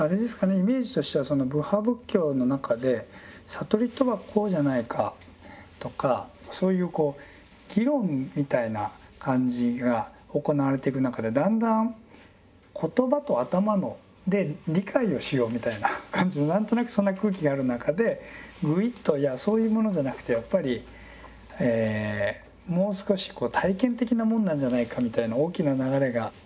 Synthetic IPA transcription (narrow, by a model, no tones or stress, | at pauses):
aɾe̞d̪e̞sɨ̥kane̞ime̞ːʑi̥t̪o̞ɕi̥t̪e̞βaso̞no̞bɯ̟habɯ̟kʲːo̞ːno̞nakʰad̪e̞sat̪o̞ɾʲit̪ːo̞βakʰo̞ːʑanaikʰa̰ | t̪o̞kaso̞ːjɯ̟ːko̞ː | ɡ̥ʲiɾõ̞ŋmʲit̪ainakʰãɲ̟d͡ʑiɡa | o̞ko̞naβaɾe̞t̪e̞ikɯ̟nakad̪e̞d̪ãnd̪ãŋ | kʰo̞t̪o̞bat̪o̞at̪amano̞ | d̪e̞ɾʲikʰaio̞ɕijo̞ːmʲit̪ainakʰãɲ̟d͡ʑimonãnt̪o̞nakɯ̟sõ̞nːakɯ̟ːk̬ʲiɡaːɾɯ̟nakad̪e̞ɡɯ̟it̪ːo̞jaso̞ːjɯ̟ːmo̞no̞ʑanakɯ̟t̪e̞japːaɾʲi | eː | mo̞ːsɨ̥ko̞ɕi̥ko̞ːt̪ʰaikẽ̞nt̪e̞kʲinamõ̞nːãɲ̟d͡ʑanaikamʲit̪ainaoːkʲinanaɡaɾe̞ɡa